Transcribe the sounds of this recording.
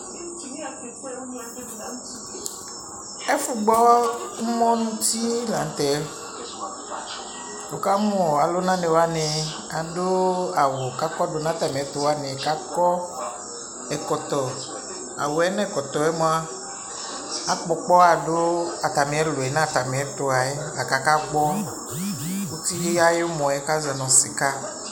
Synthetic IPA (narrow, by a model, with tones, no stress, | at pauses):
e˦fu˨ɡ͡bɔ˦mɔ̃˦nũ˦t̪i˦la˨n̩˦t̪ɛ˨˦ | wo˨ka˦m˦ɔ˨a˨lo˦nã˦nẽ˨wa˦ne˨ | a˨do˦a˨wo˨ka˦kɔ˦do˨nã˦t̪a˨mẽ˨˦t̪o˨wa˦nẽ˨ka˦kɔ˦ | ɛ˨kɔ˨t̪ɔ˨ | a̰˨wo˨ɛ˦nɛ˦˨kɔ˨t̪ɔ˨ɛ˦mõ˦a˦ | a˦k͡pɔ˨k͡pɔ˦a˨do˦a˨t̪a˨me˨ɛ˦lo˨ɛ˨nã˦˨t̪a˨me˨ɛ˦t̪o˨a˨e˦la˨ka˨ka˦ɡ͡bɔ˦ | wo˦t̪i˦je˦ja˦je˦wo˦mɔ̃˨ɛ˦ka˦za˨nɔ̃˨se˨ka˦